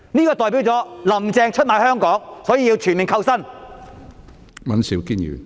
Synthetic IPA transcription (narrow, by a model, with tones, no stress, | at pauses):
niː˥kɔː˧t̪ɔː˨jp̬i˨˥wt͡sɔː˨˥lɐ˨˩mt͡sɛː˧ŋt͡ʃʰɵ˥t̚maː˨˧jhœː˥ŋkɔː˨˥ŋsɔː˨˥jiː˨˧ji˧wt͡ʃʰyː˨˩nmɪ˨˩ŋkʰɐ˧wsɐ˥˩n | mɐ˨nsi˨˥wkiː˥njḭː˨˩